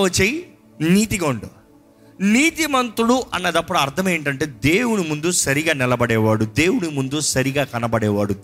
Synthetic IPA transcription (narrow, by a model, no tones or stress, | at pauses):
ɐt͡ʃːeji | niːt̪iɡoɳɖu | niːt̪imɐnt̪ɾuɽuʔɐ̰nːɐd̪ɐpːuɽuɐɾt̪ʰɐmeːɳʈ̬ɐɳʈe̞ːd̪e̞ːwunimund̪usɐɾiɡaːnɛlɐbɐɽɛːʋaːɽud̪e̞ːwunimund̪usɐɾiɡaːkɐnɐbɐɽɛːʋaːɽu